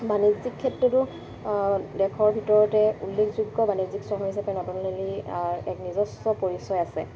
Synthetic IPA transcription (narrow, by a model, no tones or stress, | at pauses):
banizikʰːɛtɹɔtʊ | dɛkʰɔɹbʱitɔɹɔtɛulːekʰzuɡːɔbaniziksɔɦɔɦis̬apɛnɔtunleliaɹɛ̰knizɔstɔpoɹisɔjasɛ